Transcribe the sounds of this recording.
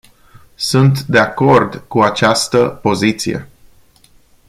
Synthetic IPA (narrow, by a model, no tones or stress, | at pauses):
sunt̪d̪e̞ako̞rd̪kuat͡ʃast̪əpo̞zit̪sije̞̰